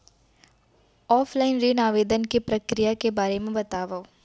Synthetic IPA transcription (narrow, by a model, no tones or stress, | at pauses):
ɔːfʰlaːɪnɾeːnaːʋeːd̪ənkepɾɐkɾijakebaːɾemẽbɐt̪aːʋao